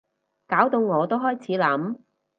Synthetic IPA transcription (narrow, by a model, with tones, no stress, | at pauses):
kaː˨˥wt̪o˧wŋɔː˨˧t̪o˥wɦɔː˥jt͡sʰiː˨˥lɐ˨˥m